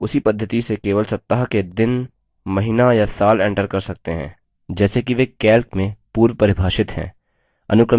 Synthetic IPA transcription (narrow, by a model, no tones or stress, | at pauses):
ʊsipɐd̪ʱːət̪isekeːʋəlsɐp̚t̪əɦaked̪ɪn | mɐɦɪnajasaːlɛ̃ːɳʈəɾkɐɾsɐk̚t̪eɦɛ̰̃ː | d͡ʒɛːsekiʋekɛːlkmẽpuːɾʋpɐɾɪbʱaːʃɪt̪ɦɛ̰̃ː | ɐ̰nʊkɾə